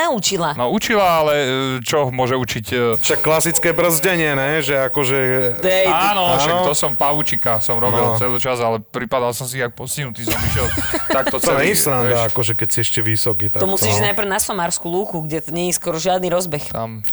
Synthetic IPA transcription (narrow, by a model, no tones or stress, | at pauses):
aut͡ʃilanɔut͡ʃilaalɛt͡ʃɔmʊɔʒɛut͡ʃicːʃakːlasit͡skɛbr̩zɟɛɲɪɛnɛʒɛakɔʒɛd̪ɛanɔɔʃaɔt̪ɔsɔmpaʋut͡ʃikasɔmɾɔbnilt͡sɛlit͡ʃazalɛpɾipad̪alsɔmsiak̚pɔsciɦnut̪iːsɔmiʃɛlt̪akt̪ɔt͡sɛlɛsɾand̪aakɔʒɛkɛcsiɛʃcɛʋisɔkiːt̪at̪ɔmusiːʒnajpɾ̩nasɔmaːɾskuluːkuɡɟɛt̪ɲɛɲɛskɔɾɔʒɪad̪niɾɔzbɛxt̪am